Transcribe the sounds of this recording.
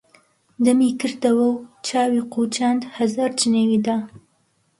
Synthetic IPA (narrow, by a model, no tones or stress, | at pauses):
d̪əmikɨɾd̪awəwt͡ʃɑːwiqʰut͡ʃand̪hazaɾt͡ʃinewid̪a